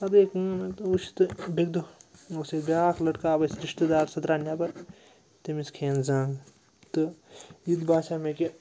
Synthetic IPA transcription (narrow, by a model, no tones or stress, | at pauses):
ɐd̪eːkunet̪ut͡ʃi̥t̪ɨbʱeɡd̪oosed̪bʲjaːkʰlɐʈkaːbɐsɾiʂʈɐd̪aːɾsɐt̪ɾaːnjaːpɐɾ | t̪emiskʰeːnzãːŋɡ | t̪ɨjid̪baːʃameke